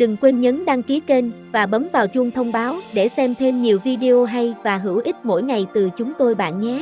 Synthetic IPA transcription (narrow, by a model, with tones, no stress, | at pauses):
ɗɨ˨˩ŋkwe˧nɲə˨˦nɗaː˧ŋki˨˦əke˧n | vaː˨˩ɓə˨˦mvaː˨˩wt͡ɕʊ˧ŋ͡mt̪ʰə˧wŋ͡mɓaː˨˦wɗe˧˩sɛ˧mt̪ʰe˧mɲi˨˩əwvi˧ɗe˧ʔo˧ɦa˧jvaː˨˩ɦɨ˧˩wʔi˦˥t̚mo̰˧˥˨jŋa˨˩jt̪ɨ˨˩t͡ɕʊ˨˦ŋ͡mt̪o˧jɓa̰ː˧˨nɲɛ˨˦